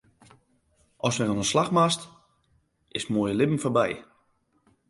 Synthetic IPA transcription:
ʔɔsʋɛnɔnəslaxmast | ɪsmoːjəlɪpn̩fɔbɛj

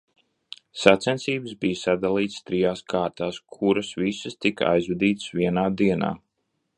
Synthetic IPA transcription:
sat̪sɛntsiːbəsbijsad̪alˠiːt̪st̪ɾijaːskʰaːɾt̪aːskʰuɾasvisəst̪ika̰jzvɛd̪iːt̪sviɛnaːd̪iɛna̰ː

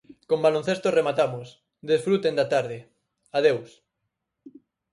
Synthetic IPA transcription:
kombalon̟θest̪oremat̪amos | d̪esfɾut̪end̪at̪aɾð̞ɪ | að̞ews

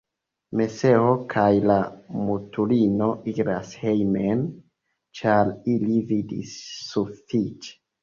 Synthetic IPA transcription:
me̞se̞o̞kʰajlamutulino̞iɡɾa̰shejmen | t͡ʃaɾilividḭsːufit͡ʃe̥

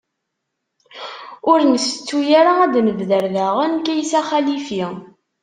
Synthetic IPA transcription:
ʊɾnəsə̥t͡sːujaɾaæd̪məvðəɾðaʁənkæjsæχælifi

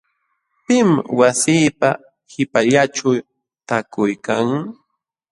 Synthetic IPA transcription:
pɪmwasiːpa | hɪpaʎaʈ͡ʂaw | t̪akʊjkaŋ

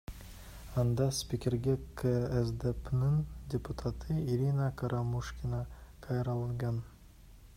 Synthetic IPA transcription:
ɑnd̪ɑspʲikʲeɾɡʲækæzd̪æpnɪŋdʲeput̪ʰat̪ʰɨiɾʲinakʰɑɾɑmuʃkʲinɑkʰɑjɾɑlˠɡɑn

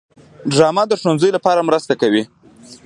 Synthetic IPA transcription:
ɖɾɑmad̪əʂonzəjlapɑɾamɾəst̪akawi

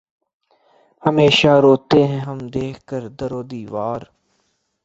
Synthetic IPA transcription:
həmeːʃaːɾoːt̪eɦɛ̃ɦəmd̪eːkʰkəɾd̪əɾoːd̪iːʋaːɾ

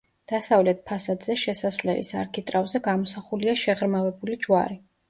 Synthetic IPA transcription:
d̪̥asavlɛt̪̚ʰpʰasad̪z̥ɛʃɛsasvlɛlḭsa̰ɾkʰit̪ʼɾavzɛɡamɔsaχuliaʃɛʁɾmavɛbulid͡ʒwa̰ɾi

